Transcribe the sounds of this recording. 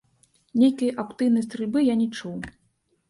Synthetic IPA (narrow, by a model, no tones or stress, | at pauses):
nʲejkijʔapt̪ɨjnɐjst̪ɾɨlʲbɨjanʲɛt͡ʂuw